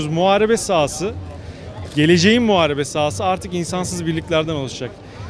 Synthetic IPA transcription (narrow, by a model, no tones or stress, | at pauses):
zmuɦaːɾebɛsaːsɯ | ɟe̞lʲe̞d͡ʒe̞jimːuaːɾe̞bɛsaːsɯaɾt̪ʰɯkinsansɯzbiɾlʲicʲlʲæɾd̪ænalˠɯʃd͡ʒak